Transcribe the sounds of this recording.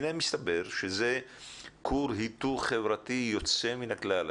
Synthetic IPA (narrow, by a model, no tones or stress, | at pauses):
nemist̪abe̞ʁʃeze | kʰuɾɦit̪uʁχevʁatijo̞t͡se̞minaklal